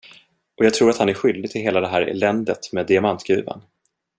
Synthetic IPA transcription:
ʔɔjɑːɡ̚t̪ʰɾuːɾat̪hanæɾɧʏld̪ɪt̪ʰɪlɦeːlad̪ɛɦæːɾɛ̰lɛnd̪ət̪meːd̪ːɪamant̪ɡɾʉ̟ːvə̰n

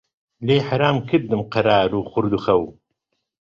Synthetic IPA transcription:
leːħaɾaːmkʰɨɾd̪ɨmqɐɾaːɾuːxʊɾd̪uxɐw

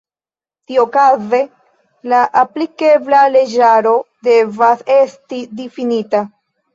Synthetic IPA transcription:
tiokaze̞ | laʔaplike̞blale̞d͡ʒaɾo̞de̞vase̞stidifinita

